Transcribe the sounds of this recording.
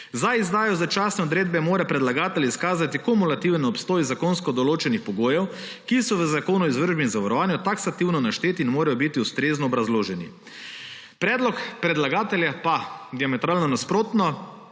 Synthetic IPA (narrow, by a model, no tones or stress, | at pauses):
zajizd̪aːjɔzat͡ʃaːsnɛɔd̪ɾeːd̪̚bɛmoːɾapɾɛd̪laɡaːt̪ɛljiskaːzat̪ikomulat̪iwnɛɔpst̪oːjzakoːnskɔd̪ɔloːt͡ʃɛnixpɔɡoːjɛw | kisɔʋəzakoːnɔizʋəɾʒbɛinzaʋaɾɔʋaːnjut̪aksat̪iwnɔnaʃt̪eːt̪iːnmoːɾajɔbit̪iust̪ɾeːznɔːbɾazloːʒɛnḭ | pɾɛːd̪lɔkpɾɛd̪laɡaːt̪ɛljapad̪iamɛt̪ɾaːlnɔnaspɾoːt̪nɔ